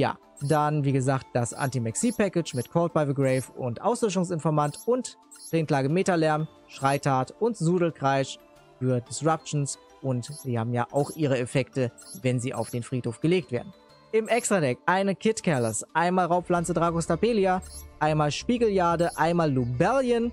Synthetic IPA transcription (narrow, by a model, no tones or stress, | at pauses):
ja̰ː | danviːɡəzaːkt̚d̥asʔa̰ntimɛksiːpɛkɪt͡ʃmɪtkʰɔːt̚b̥aɪvəɡʁɛɪfʊ̰ntʔa̰ʊslɔʃ̬ʊŋsɪnfɔɐmantʊnt | t͡seːnkl̥aːɡəmeːtɐlɛɐm | ʃʁ̥aɪtʰaːtʊntzuːdl̩kʁ̥aɪʃ | fyːɐdɪsʁap̚t͡ʃn̩s | ʔʊntz̥iːhaːbm̩ja̰ːʔa̰ʊxʔiːʁəɛfɛktəvɛnziːʔa̰ʊfd̥eːnfʁ̥iːthoːfɡ̥əleːk̚tveːɐdn̩ | ʔɪmʔɛkstʁ̥adɛkʔaɪnəkʰɪtkʰɛɐlɐsʔaɪnmaːlʁaʊpflant͡sədʁaːɡostapeːliaʔaɪnmaːlʃpiːɡl̩jaːdəʔaɪnmaːlːubɛljən